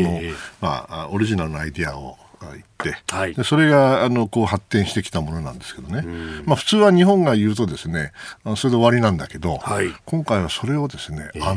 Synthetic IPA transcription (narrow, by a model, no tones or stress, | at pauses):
noma̰oɾʲiʑinaɾɯnoaid̪e̞ao | itt̪ːe̞d̪e̞so̞ɾe̞ɡaːno̞ko̞ːhat̪ːẽɰ̃ɕi̥t̪e̞kʲi̥t̪amo̞no̞nã̰nd̪e̞sɨ̥ke̞d̪o̞ne̞maɸɯ̟̥t͡sɨːβaɲ̟ihõ̞ŋɡajɯ̟ːt̪̬o̞d̪e̞sɨne̞anoso̞ɾed̪e̞o̞βaɾʲinãnd̪ake̞d̪o̞hakõ̞ŋkaiβ̞aso̞ɾe̞o̞d̪e̞sɨne̞̰a